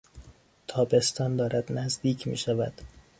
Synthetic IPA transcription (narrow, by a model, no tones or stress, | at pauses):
t̪ʰɒːbe̞st̪ɒːnd̪ɒːɾæd̪næzd̪iːcʰmḭːʃævæd̪̥